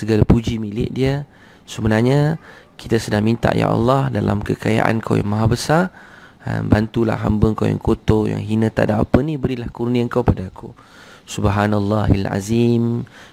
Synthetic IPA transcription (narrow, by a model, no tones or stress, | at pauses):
səɡalapud͡ʒimilɪʔ̚diə | səbənarɲaki̥t̪asədaŋmint̪a̰ʔja̰ʔɑ̰lːɑhdala̰mkəkaja̰ʔa̰nkʰa̰wja̰ŋmaɦabəsara̰nbant̪ula̰hɦa̰mbəŋkawja̰ŋkot̪oja̰ŋɦinə̃t̪a̰ʔdaʔːpənĩbəɾilahkurnĩəŋkawpadakʰu | subɦanalːɑɦila̰zim